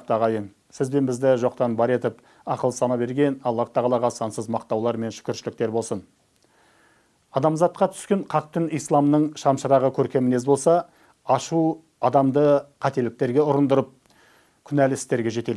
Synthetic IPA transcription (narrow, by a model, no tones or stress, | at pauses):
qt̪ɑʁɑjəɴ | sɪzbe̞nbɪzd̪ɪʒo̞q̚t̪ɑnbɑɾe̞t̪ɪp | ɑqəlˠəsɑnɑbe̞ɾɡʲe̞nɑlˠːɑɾt̪ɑʁɑlˠɑʁɑsɑnsəzmɑqt̪ɑwlˠɑɾme̞nʃʏ̥kʲɪɾʃɪlɪk̚t̪e̞ɾbo̞lˠsən | ɑd̪ɑmzɑt̪̚qɑt̪ʰʏ̥skʲe̞ɴqʰɑq̚t̪ɪnijslˠɑmnəɴʃɑmʃəɾɑʁəkʲʰɵɾkʲe̞mɪnezbo̞lˠsɑ | ɑʃu | ɑd̪ɑmd̪əqʰɑt̪e̞lɪk̚t̪e̞ɾɡʲe̞ʊɾənd̪əɾəp̚ | kʲʰʏnælɪst̪e̞ɾɡʲe̞ʒe̞t̪e̞l